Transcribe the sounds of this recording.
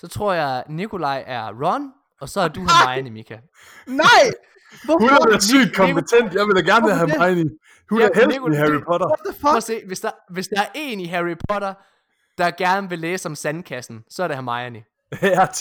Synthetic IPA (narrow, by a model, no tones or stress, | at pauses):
sɒ̽t͡sʰʁo̝ɐ̰jɑ̈ɪnikʰo̝lɑ̈ɪ̰ʔæɐʁɒn | ɒ̽sɒ̽æɐd̥uhæmɑ̈ɪɐnimikʰæ | nɪ̰ | ɔhunædæsy̰ːd̥̚kʰɒ̽mpet͡sʰen̰d̥jɑ̈ɪʋedæɡ̥æɐneɦæmɑɪni | hunæhelikohæʁipʰɔɾɐse̝̰ːʋe̝sd̥ɑʋe̝sd̥ɑ̈æɐʔe̝̰ːniɦæʁipʰɔ̽ɾ̥ɐ | d̥ɑ̈ɡ̥æɐnəʋe̝leːsɒ̽msænkʰæsn̩sɒ̽ɐɾe̝hæmɑ̈ɪɐni | æ